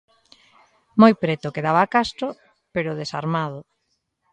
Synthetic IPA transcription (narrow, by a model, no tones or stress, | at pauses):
mojpɾɛt̪ʊkeðaβaːkast̪ɾʊ | peɾʊðesa̰ɾmaðʊ